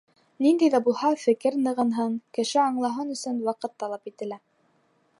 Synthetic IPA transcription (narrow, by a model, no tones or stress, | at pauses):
nind̪æjðæbulˠhɑfɘ̆kɘɾnɤ̆ʁɤnɦɤɴkɘ̆ʃɘɑɴlˠɑɦɤnɵ̆sɵnwɑqɤt̪ːɑlˠɑpit̪ɘ̆læ